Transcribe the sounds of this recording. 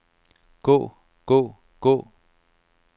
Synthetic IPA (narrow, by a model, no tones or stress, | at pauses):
kuʔ | kuʔ | kuʔ